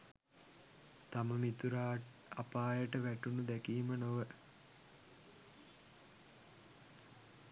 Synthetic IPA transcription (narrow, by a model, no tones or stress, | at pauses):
t̪aməmit̪uɾaː | apaːjəʈəʋæʈunud̪ækiːmənoʋə